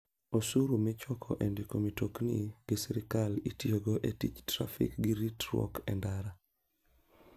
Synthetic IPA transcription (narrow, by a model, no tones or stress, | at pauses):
osuɾumɪt͡ʃɔkʰɔ̰ʔendikomitoknḭɡ̥ɪsiɾɪkalitjeɡɔʔetit͡ʃtɾa̰fḭkɡiɾitɾwɔ̰kɛ̰ndaɾa